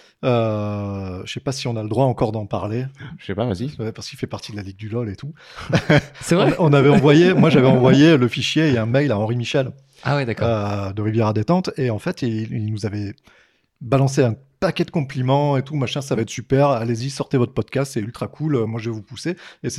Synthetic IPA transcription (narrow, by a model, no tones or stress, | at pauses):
ø | ʃʃɛpasiɔ̃naləd̪ʁwaɑ̃kɔʁd̪ɑ̃pa̰ʁle̥ʃɛpava̰ziwɛpaʁsəkilfɛpaʁt̪ʰid̪əlaliɡ̚d̪ylɔlet̪ʰu | sɛvʁɛɔ̃navɛɑ̃vwajemwaʒavɛɑ̃vwajeləfiʃjeeɛ̃majlaɑ̃ʁimiʃɛl | a̰wid̪akɔød̪əʁivjɛʁad̪et̪ɑ̃t̪eɑ̃fɛt̪iilnuzavɛ | balɑ̃s̬eɛ̃pakʲɛd̪əkɔ̃plimɑ̃et̪umaʃɛ̃s̬avaɛt̪χsypɛʁalezisɔʁt̪evɔt̪χəpɔd̪kʲast̪sɛylt̪χakʰulømwaʒəvɛvupusees